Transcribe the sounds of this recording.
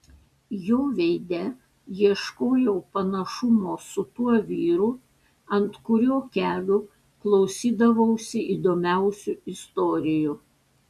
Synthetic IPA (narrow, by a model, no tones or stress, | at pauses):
joːʋʲɛɪd̪ʲɛ | jiɛʃkoːjɛʊpɐnɐʃʊmoːsʊt̪uɔʋʲiːɾu | ɐnt̪kʊɾʲoːkʲæːlʲʊ | klˠɒʊsʲiːd̪ɐʋɐʊsʲɪiːd̪oːmʲæˑʊsʲuɪst̪ɔːɾʲɪjʊ